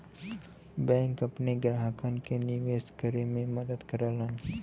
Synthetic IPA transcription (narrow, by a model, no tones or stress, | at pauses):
bɛ̃ːŋkɐpneɡɾɦakənkeniʋeːskəɾemẽmɐd̪əd̪kəɾaːlən